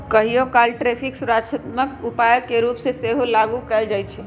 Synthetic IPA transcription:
kəɦijokalʈɾepʰiksuɾat͡ʃʰət̪məkupajəkːeɾupseseɦolaɡukɛld͡ʒajt͡ʃʰɛ

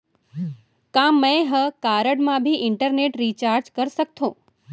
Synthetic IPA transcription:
kãmːə̃ɦəkaɾəɽmãbʱiʔɪɳʈəɾneʈɾit͡ʃaːɾd͡ʒkəɾsək̚t̪ʰõː

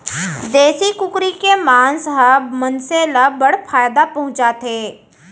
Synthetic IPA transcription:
d̪eːsikʊkɾikemãːnsɦəmənseləbəɽfʰaːjd̪apɐɦʊ̃t͡ʃat̪ʰeː

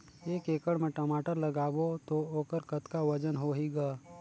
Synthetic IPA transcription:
eːkeːkəɽmẽʈɐmaːʈəɾlɐɡaːbot̪ooːkəɾkət̪kaʋɐd͡ʒənɦoːɦiɡaː

